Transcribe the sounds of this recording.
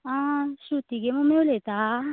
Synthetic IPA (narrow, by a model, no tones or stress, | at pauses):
ãːʃut̪iɡemomewulet̪a